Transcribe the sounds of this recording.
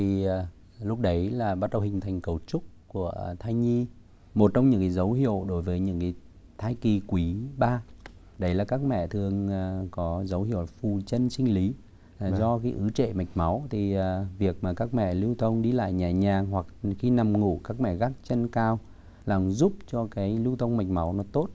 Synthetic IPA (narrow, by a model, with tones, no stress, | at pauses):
i˨˩˨ | lʊ˦˥k͡p̚ɗə˨˦jlaː˨˩ɓaː˧t̚ɗə˧˨˩whï˨˩ŋ̟t̪ʰa˨˩jŋ̟kə˨˩wt͡ɕʊ˦˥k͡p̚ku˧˩ət̪ʰaː˧jɲi˧ | mo˨˩t̚t͡ɕɔ˧wŋ͡mɲɨ̰˧˥ŋkaː˨˦jzə˨˦wɦḭ˧˨əwɗo˨˦jvəː˨˦jɲɨ̰˧˥ŋka˨˦j | t̪ʰaː˧jki˨˩kwi˨˦ɓaː˧ | ɗə˨˦jlaː˨˩kaː˦˥k̚mɛ̰˧˨t̪ʰɨ˨˩əŋ˨kɔ˨˦zə˨˦wɦḭ˧˨əwfu˨˩t͡ɕə˧nsï˧ŋ̟li˨˦˨ | zɔ˧kaː˨˦jʔɨ˨˦t͡ɕḛ˧˨ma˨˩jk̟̚ma˨˦wt̪ʰi˨˩˨vi˨˩ək̚maː˨˩kaː˦˥k̚mɛ̰˧˨li˧wt̪ʰə˧wŋ͡mɗi˧la̰ː˧˨jɲaː˨˩ɲaː˨˩ŋɦwa˨˩k̚xi˧na˨˩mŋṵ˧˨kaː˦˥k̚mɛ̰˧˨ɣa˦˥k̚t͡ɕə˧nkaː˧w | laː˨˩mzu˦˥p̚t͡ɕɔ˧kaː˨˦jli˧wt̪ʰə˧wŋ͡mma˨˩jk̟̚ma˨˦wnɔ˨˦t̪o˦˥t̚